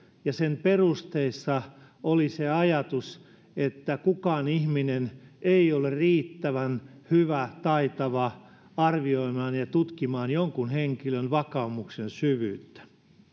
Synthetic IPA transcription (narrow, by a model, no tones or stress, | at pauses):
jɑsemperust̪eisːɑ | oliseɑjɑt̪us | et̪ːækukɑːnihmineneiolerriːt̪ːæʋænhyʋæt̪ɑit̪ɑʋɑ | ɑrʋioimɑːnjɑt̪ut̪kimɑːnjoŋkunheŋkilønʋɑkɑumuksensyʋyːt̪ːæ̥